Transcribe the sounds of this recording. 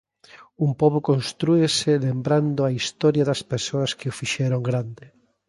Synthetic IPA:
umpɔβʊkonst̪ɾuesɪlembɾand̪ʊaist̪ɔɾjɐðɐspesoɐskɪʊfiʃɛɾoŋɡɾand̪ɪ

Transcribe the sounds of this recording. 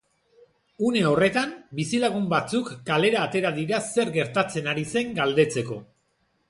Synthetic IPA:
une̞o̞re̞t̪ambisilaɣumbat͡sukːale̞ɾaːt̪e̞ɾaðiɾase̞ɾɡe̞ɾt̪at͡se̞naɾise̞ŋɡald̪e̞t͡se̞ko̞

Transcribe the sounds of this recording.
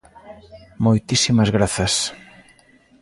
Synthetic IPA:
mojt̪isimɐzɣɾaθɐs

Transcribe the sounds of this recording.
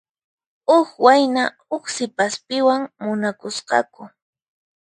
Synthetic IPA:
ʊkwajna | ʊχsɪpaspɪwaŋmʊnakʊsqɑ̰kʊ

